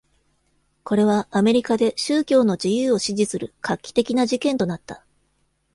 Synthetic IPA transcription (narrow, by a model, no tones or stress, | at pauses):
ko̞ɾe̞β̞aːme̞ɾʲikad̪e̞ɕɨːkʲo̞ːno̞d͡ʑijɯːo̞ɕiʑisɨɾɯ̟kʰakʲːi̥t̪e̞kʲinaʑikẽ̞nt̪o̞nat̪ːa